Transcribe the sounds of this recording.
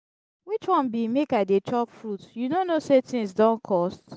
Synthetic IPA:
wit͡ʃwɔ̃nbimekaɪdet͡ʃɔpfɹutjunonosetĩŋsdɔ̃nkʰɔst

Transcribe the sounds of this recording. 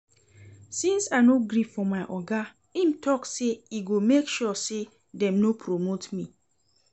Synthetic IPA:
sĩnsanoɡɾifɔmaɪʔɔɡa | ĩmtʰɔkseiɡomekʃɔse | dɛ̃mnopʰɹomotmi

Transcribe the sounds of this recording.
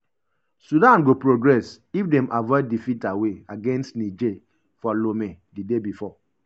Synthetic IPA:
sudãnɡopɹoɡɹɛs | ifdɛmʔavɔdifitaweaɡɛ̃nstnid͡ʒe | fɔlomedidebifɔ

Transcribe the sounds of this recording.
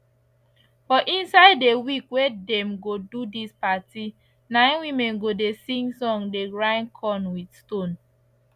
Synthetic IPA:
bɔʔĩnsaɪdːewikwedɛ̃mɡodudispati | nãɪ̃nwimɛ̃nɡodesĩŋɡsɔ̃ŋdeɹãɪ̃nkʰɔ̃nwidstõn

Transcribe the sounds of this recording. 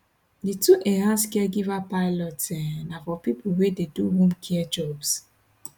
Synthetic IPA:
dituʔɛɾãnskɛɡivapaɪlɔtɛnafɔpipuwededuɦõmkʰiɛd͡ʒɔbs

